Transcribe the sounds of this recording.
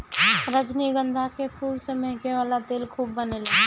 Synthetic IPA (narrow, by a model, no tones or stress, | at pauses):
ɾəd͡ʒniɡə̃nd̪ʱakepʰuːlsemɛɦkeʋaːlat̪eːlkʰuːbːənelaɡe